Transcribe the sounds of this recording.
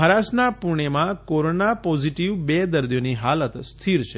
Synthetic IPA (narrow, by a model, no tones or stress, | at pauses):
ɦəɾasnapuɳ̃emãkoɾonapɔziʈiʋbed̪əɾd̪ijoniɦalət̪st̪ʰiɾt͡ʃʰe